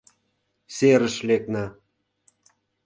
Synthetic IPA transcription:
seɾə̆ʃlek̚nɑ

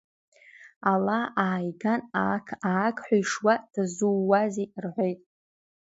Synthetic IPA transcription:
alaaːjɡanakʰaːkʰʼħʷajʂwad̥azuːazirħʷojtʼ

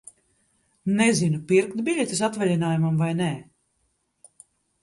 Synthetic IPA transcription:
nɛzinupiɾkt̪bʲiʎʲɛt̪es̬at̪vɛlʲinaːjumamvajnɛː

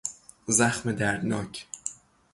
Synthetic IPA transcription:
zæxmed̪æɾd̪nɒːcʰ

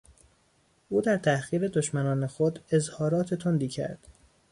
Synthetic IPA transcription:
ʔuːd̪æɾt̪ʰæxiːɾe̞d̪oʃmænɒːne̞xod̪e̞zhɒːɾɒːt̪ʰet̪ʰond̪iːcʰæ̰ɾd̪̥

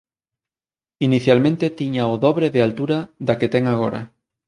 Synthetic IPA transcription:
iniθjalmẽnt̪et̪iɲaoðɔβɾeðealt̪uɾaðaket̪ɛŋaɣ̞oɾɐ̰

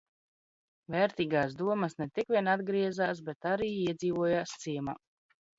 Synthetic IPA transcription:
vɛːɾt̪iːɡaːsd̪uɔməsnɛt̪ikvʲiɛnad̪ɡɾiɛzaːs̬bɛt̪aɾiːiɛd̪ziːvuɔjaːst̪siɛma̰ː

